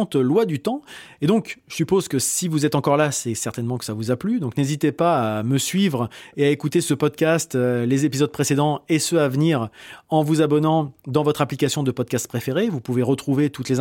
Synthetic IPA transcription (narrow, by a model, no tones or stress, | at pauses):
t̪lwad̪yt̪ɑ̃ed̪ɔ̃kʒəsypozkəsivuzɛt̪ɑ̃kɔʁlasɛsɛʁt̪ɛnmɑ̃kə̥savuzaplyd̪ɔ̃knezit̪epaːməsɥivʁeaekut̪esəpɔd̪̚kʲast̪ølezepizɔd̪̚pχesed̪ɑ̃esəavniːʁɑ̃vuzabɔnɑ̃d̪ɑ̃vɔt̪χaplikasjɔ̃d̪əpɔd̪̚kast̪̚pχefeʁevupuveʁət̪χuvet̪ut̪lez